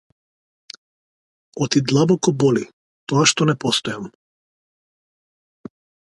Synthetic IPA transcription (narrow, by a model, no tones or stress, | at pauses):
ɔt̪id̪lˠabɔkɔbɔli | t̪ɔaʃt̪ɔnɛpɔst̪ɔjam